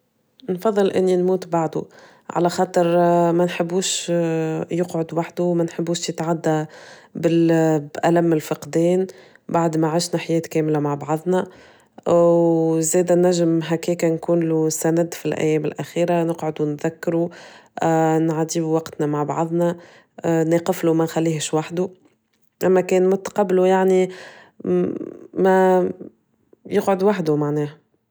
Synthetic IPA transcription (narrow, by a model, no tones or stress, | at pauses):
nfɑðˤːɨlʔɪnːinmuːt̪baʕd̪u | ʕa̰læxɑːt̪ˤɨɾmænħɪbːuːʃ | jʊqʕod̪waħd̪umænħɪbːuːʃjɪt̪ʕad̪ːæbɪlbʔælæmːɪlfɑqd̪ɛːn | baʕd̪maʕaʃnaħajɛːt̪kɛːmlamaʕbɑʕðˤnæ | ʔwzɛːd̪ænːæʒəmɦækɛːkænkuːnlusænæd̪filʔæ̰jːɛːmɪlʔæxiːɾanəqʕod̪unðækːɾu | nʕad̪iːbuwɑqt̪næmaʕbɑ̰ʕðˤnæ | neːqɪflumænxælːiːhʃwaħd̪u | ʔæmːækɛːnmʊt̪ɑ̥qɑbːlujaʕni | mæ | jɪqʕod̪waħd̪umaʕnɛːh